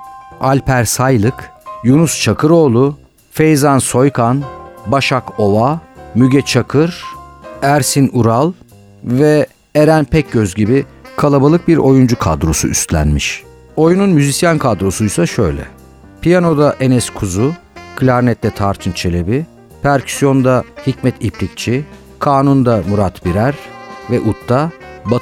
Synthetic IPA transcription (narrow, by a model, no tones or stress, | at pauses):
alʲpʰæɾsajlˠɯkjunust͡ʃʰakʰɯɾo̞ːlˠu | fejzanso̞jkʰanbaʃako̞vamyɟʲɛt͡ʃʰakʰɯɾ̥ | æɾsinuɾalˠ | vɛ | eɾænpʰɛc̚ɟøzɟibikʰalˠabalˠɯk̚biɾo̞jund͡ʒukʰa̰d̪ɾo̞sṵʔyst̪lʲæ̰nmiʃ | o̞jununmyzisjankʰad̪ɾo̞sujsaʃø̞jlʲɛ̰ | pʰijano̞d̪aʔe̞nɛskʰuzukʰlʲaɾnɛt̪lʲɛt̪ʰaɾt̪ʰɯnt͡ʃʰe̞lʲe̞bi | pʰæɾcʰy̥sjo̞nd̪ahicmɛt̪ʰiplʲic̚t͡ʃʰi | kʰaːnund̪amuɾat̪biɾæɾvɛʔut̪ʰːaba